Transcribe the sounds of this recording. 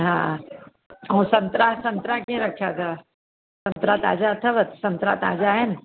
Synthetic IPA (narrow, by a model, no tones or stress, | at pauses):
ɦã | õsɐ̃nt̪ɾasɐnt̪ɾakẽɾəkʰjat̪ʰa | sɐ̃nt̪ɾat̪a̰ːd͡ʒat̪ʰɐʋət̪sɐ̃nt̪ɾa̰t̪a̰ːd͡ʒaən